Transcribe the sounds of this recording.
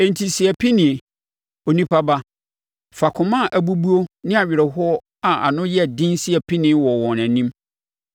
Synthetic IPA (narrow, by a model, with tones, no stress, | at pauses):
ẽ˨ntʰi˨si˨æ˨pʰi˦nɪ̃˨e˨ | o˨nĩ˦pʰa˦ba˦ | fa˨kʰʊ̃˨mã˦˨ʔæ˨bu˦bu˦o˦nɪ̃˦a˨ɥɪ˨ɾɛ˨ɦʊ˦ɔ˦ | a˨ʔa̰˨nʊ̃˦jɛ˦˨dɪ̃˦nsi˦ɛ˨pʰi˦nɪ̃˦wɔ˨wɔ̃˨næ̃˨nĩ˦m